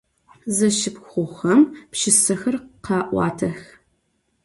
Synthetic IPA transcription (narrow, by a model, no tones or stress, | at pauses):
zɐʃɪpxʷʊxɐmpʃɪsɐxɐrqɑːʔʷɑ̰ːtʰɐx